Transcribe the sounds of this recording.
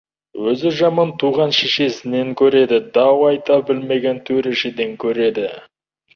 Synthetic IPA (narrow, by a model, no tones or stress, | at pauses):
wɵzɪʒɑmɑnt̪ʰuʁɑnʃeʃe̞sɪne̞ŋkʲʰɵɾe̞d̪ɪd̪ɑwɑjt̪ɑbɪlme̞ɡʲe̞nt̪ʰɵɾeʃed̪e̞ŋkʲʰɵɾe̞d̪ɪ